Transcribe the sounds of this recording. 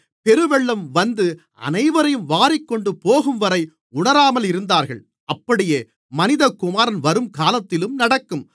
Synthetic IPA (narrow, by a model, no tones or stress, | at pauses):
pɛɾɯʋɛɭːɐmʋɐnd̪ɯ | ɐ̰nɐɪʋɐɾɐjɯmʋaːɾɪkːɔɳɖɯpoːɣɯmʋɐɾɐɪ | ʊɽɐɾaːmɐlɪɾɯnd̪aːɾɣɐɭ | ɐpːɐɽɪjeː | mɐnɪðɐkːʊmaːɾɐnʋɐɾɯmkaːlɐt̪ːɪlɯmnɐɽɐkːɯm